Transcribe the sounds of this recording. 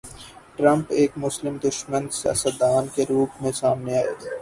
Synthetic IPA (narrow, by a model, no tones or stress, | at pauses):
ʈɾə̃mpeːkmʊslɪmd̪ʊʃmənsɐ̰səd̪aːnkeɾuːpʰmẽsaːmneaːḛː